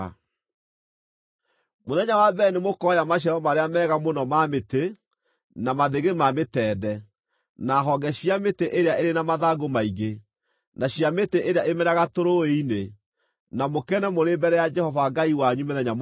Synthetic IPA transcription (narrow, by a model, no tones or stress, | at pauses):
moðɛɲawabɛnemokɔjamaɕ̬aɾɔmaɾeamɛːɣamonɔmamete | namaðeɣemametɛːdɛ | naɦɔɡɛɕiameteʔeɾeaʔeɾenamaðaɡomaiɣe | naɕiameteʔeɾeaʔemɛɾaɣatoɾoeine | namokɛnɛmoɾebɛɾɛjad͡ʒɛhɔvaɡaiwaɲumeðɛɲam